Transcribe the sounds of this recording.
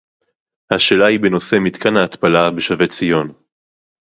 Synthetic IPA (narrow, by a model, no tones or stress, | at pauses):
haʃeːlaibeno̞se̞mit̪kanhaːt̪palabeʃave̞t͡sijo̞n